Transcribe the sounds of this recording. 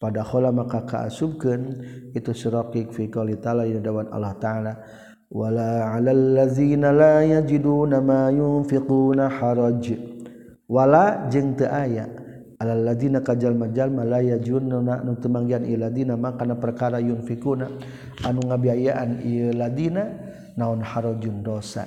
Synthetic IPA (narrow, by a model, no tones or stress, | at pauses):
padaxolamakaka̰a̰sub̚kənit̪usiɾɔkikfikalit̪aladinadawana̰lːɔht̪aala | walaʕalalːaðinalajad͡ʒidunamajʊnfiqunaħɑɾˤɑd͡ʒ | walad͡ʒəŋt̪əʔaja̰ | alalːaðinakad͡ʒalmad͡ʒalmalajad͡ʒunːnanut̪əmaŋɡianʔḭjlad̪inamakanapərkaɾajʊnfikuna | ʔanuŋabiajaʔanḭjəlad̪ina | naunħaɾɔd͡ʒʊndosa̰